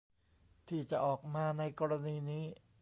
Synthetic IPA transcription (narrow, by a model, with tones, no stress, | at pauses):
t̪ʰiː˥˩t͡ɕa˨˩ʔɔː˨˩k̚maː˧na˧jkɔː˧ɾa˧niː˧niː˦˥